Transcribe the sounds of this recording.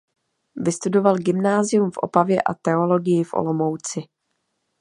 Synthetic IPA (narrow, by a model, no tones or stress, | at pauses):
vɪst̪udo̞valɡɪmnaːzɪjumfʔo̞̰pavjɛ̰ʔa̰t̪ɛo̞lo̞ɡɪjɪfʔo̰lo̞mo̞wt͡sɪ